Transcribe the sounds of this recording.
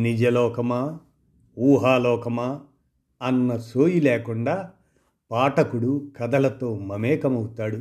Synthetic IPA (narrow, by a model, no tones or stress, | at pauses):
nid͡ʒɐlɔːkɐmaː | uːɦaːlɔːkɐma | ɐnːɐsoːjileːkuɳɖaː | paːʈɐkuɽukɐd̪ɐlɐt̪oːmɐmɛːkɐmɐwut̪aːɽu